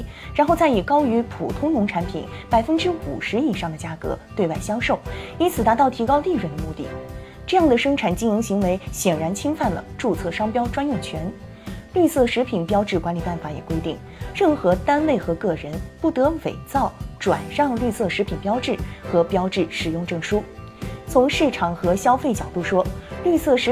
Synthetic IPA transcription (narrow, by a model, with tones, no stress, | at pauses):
ɻa˧˥nxo˥˧ʊt͡sa˥˩ɪi˨˩kɑ˥ʊy˧˥pʰṵ˨˩t̪ʰʊ˥ŋnʊ˧˥ŋʈ͡ʂʰa˧˥npʰḭ˨˩˦npa˨˩ɪfə˥nʈ͡ʂɻ̩˥u˨˩ʂɻ̩˧˥i˨˩ʂɑ˥˩ŋd̪ə˩t͡ɕja˥kɤ̰˧˥t̪we˥˧ɪwa˥˩ɪɕjɑ˥ŋʂo˥˩ʊi˥nt͡sʰɹ̩˨˩t̪a˧˥t̪ɑ˥˩ʊt̪ʰi˧˥kɑ˥ʊt̪i˥˩ɻwə˧˥nd̪ə˧mu˥˧t̪i˥˩ | ʈ͡ʂɤ˥˧jɑ˥˩ŋd̪ə˩ʂɤ˥ŋʈ͡ʂʰa˨˩nt͡ɕi˥ŋi˧˥ŋɕi˧˥ŋwe˧˥ɪɕjɛ˨˩nɻa˧˥nt͡ɕʰi˥ŋfa˥˩nlə̰˩ʈ͡ʂu˥˧t͡sʰɤ˥˩ʂɑ˥ŋpjɑ˥ʊʈ͡ʂwa˥njʊ˥˩ŋt͡ɕʰɥɛ˧˥n | ly˥˧sɤ˥˩ʂɻ̩˧˥pʰi˨˩npjɑ˥ʊʈ͡ʂɻ̩˥˩kwa˧˥nli˨˩pa˥˩nfa˧˥jɛ̰˨˩kwe˥ɪt̪i˥˩ŋ | ɻə˥˩nxɤ˧˥t̪a˥nwe˥˩ɪxɤ˧˥kɤ˥˩ɻə˧˥npu˥˩t̪ɤ˧˥we˨˩ɪt͡sɑ˥˩ʊʈ͡ʂwa̰˨˩nʂɑ˥˧ŋly˥˧sɤ˥˩ʂɻ̩˧˥pʰi˨˩npjɑ˥ʊʈ͡ʂɻ̩˥˩xɤ˧˥pjɑ˥ʊʈ͡ʂɻ̩˥˩ʂɻ̩˨˩jʊ˥˧ŋʈ͡ʂɤ˥˩ŋʂu˥ | t͡sʰʊ˧˥ŋʂɻ̩˥˩ʈ͡ʂʰɑ˨˩ŋxɤ˧˥ɕjɑ˥ʊfe˥˩ɪt͡ɕjɑ˨˩ʊt̪u˥˩ʂwɔ˥ly˥˧sɤ˥˩ʂɻ̩˧˥